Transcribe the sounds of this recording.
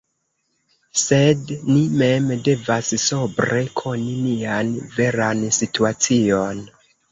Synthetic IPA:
se̞dnime̞mde̞vasso̞bɾe̞kʰo̞ninianve̞ɾansituat͡sio̞n

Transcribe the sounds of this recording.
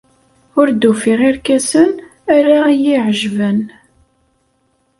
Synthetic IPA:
ʊɾd̪ufiʁiɾkæsən | æɾajɪʕʒvən

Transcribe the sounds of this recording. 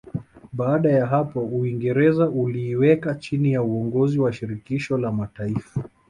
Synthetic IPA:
ɓaːɗajaɦapɔuiŋɡɛɾɛzaʔuliːwɛkat͡ʃinijauɔŋɡɔziwaʃiɾikiʃɔlamataifa

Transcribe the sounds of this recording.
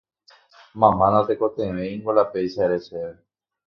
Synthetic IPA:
mãmãnãt̪ekot̪ẽʋẽĩŋɡolapejʃaeɾeseβe

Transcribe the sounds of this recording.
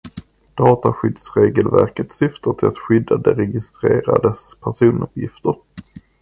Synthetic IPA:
d̪̥ɑːt̪aɧʏd̪sɾeːɡəlvæ̰ɾkət̪sʏft̪aʈʰɪlat̪ɧʏd̪ːad̪əɾɛɡɪst̪ɾeːɾa̰d̪ɛspʰæʂuːnɵ̰pjɪft̪əɾ

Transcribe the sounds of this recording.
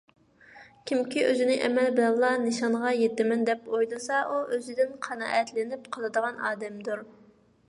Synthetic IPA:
kʲʰimkʲiʔø̰zɪnɪʔɛ̰mɛlbɪlɛllˠːɑnɨʃɑnʁɑjet̪ːɪmɪnd̪ɛpojlˠɨsɑʔuʔøzɪd̪ɪnqʰɑnɑ̰ːʔɛt̪lɪnɪpqʰɑlˠɨd̪əʁɑnɑ̰ːd̪ɛmd̪uɾ

